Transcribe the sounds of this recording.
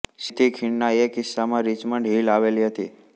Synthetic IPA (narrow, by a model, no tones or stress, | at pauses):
sɪt̪ʰikʰiɳnaekɪsːamãɾit͡ʃmə̃ɳɖʱɦilaʋeliɦət̪ḭ